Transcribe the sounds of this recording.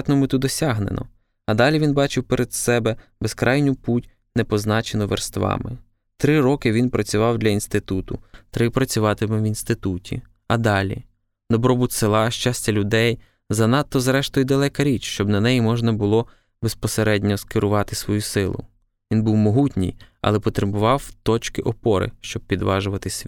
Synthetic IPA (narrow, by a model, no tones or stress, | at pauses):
t̪nɔmɪt̪ud̪ɔsʲɑɦnenɔ̰ | ɐd̪ɑlʲiʋinbɑt͡ʃɪwpeɾʔed̪sɛbɛ | beskɾʔɑjnʲʊputʲ | nepɔznɑt͡ʃenɔʋḛrst̪ʋɑ̰mɪ̰ | t̪ɾɪɾɔkɪʋʲinpɾɐt͡sʲʊʋɑwd̪ʲlʲɐinst̪ɪt̪ut̪ʊt̪ɾɪpɾɐt͡sʲʊʋɑt̪ɪmɪʋinst̪ɪt̪utʲḭ | ɐd̪ɑlʲḭ | d̪ɔbɾɔbut̪ʲsɪlˠɑʃt͡ʃɑsʲtʲɐlʲʊd̪ɛj | zɐnɑt̪ːɔzɾɛʃt̪ɔjʊd̪ɐlˠɛkɐɾʲit͡ʃʃt͡ʃɔbnɐnɛjimɔʒnɐbʊlˠɔ | bespɔseɾɛdʲnʲɔskɪɾʔʊʋɑt̪ɪsʋɔjusɪlˠʊ̰ | ʋʲinbuwmɔɦutʲnʲḭjɐ̰lˠɛpɔt̪ɾebʊʋɑwt̪ɔt͡ʃkɪʔɔpɔɾɪ̰ʃt͡ʃɔb̚pʲid̪ʋɑʒʊʋɐt̪ɪsʲʋʲ